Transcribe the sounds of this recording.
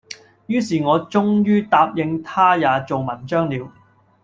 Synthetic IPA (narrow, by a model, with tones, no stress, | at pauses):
jyː˥siː˨ŋɔː˨˧t͡sʊ˥ŋjyː˥t̪aː˧p̚jɪ˧ŋt̪ʰaː˥jaː˨˧t͡so˨wmɐ˨˩nt͡ʃœː˥ŋliː˨˧w